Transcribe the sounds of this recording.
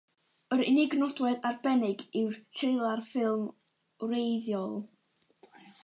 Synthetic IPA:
əɾɪnɪɡnɔdwɛðarbɛnɪɡɪwrtʰɪlˠarfɪlˠm | rejðjɔlˠ

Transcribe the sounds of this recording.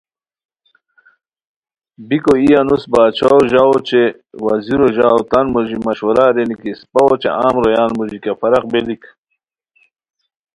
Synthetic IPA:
bikoijanusbaːt͡ʃʰaoʑaot͡ʃe | wɐziɾoʑaːwt̪anmoʑimɐɕwɐɾaɾenikispɐot͡ʃḛʔaːmɾojaːnmuʑikafɐɾɐqbelik

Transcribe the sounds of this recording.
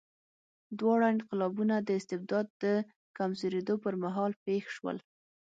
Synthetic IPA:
d̪wɑɽaɪnqɪlɑbunad̪əɪst̪ɪb̚d̪ɑd̪ːə | kamzoɾed̪opəɾmaɦɑlpexʃwə̰l

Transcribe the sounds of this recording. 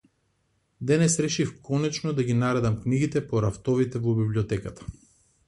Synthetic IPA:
d̪ɛnɛsɾɛʃifkɔnɛt͡ʃnɔd̪aɡinaɾɛd̪amkniɡit̪ɛpɔɾaft̪ɔvit̪ɛvɔbibliɔt̪ɛkat̪ḁ

